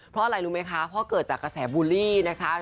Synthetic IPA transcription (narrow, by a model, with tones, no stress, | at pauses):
pʰɾɔ˦˥ʔa˧ɾa˧jɾuː˦˥ma˦˥jkʰa˦˥pʰɔ˦˥kɤː˨˩t̪̚t͡ɕaː˨˩kːɾa˧sɛː˩˦buː˧liː˥˩na˦˥kʰa˦˥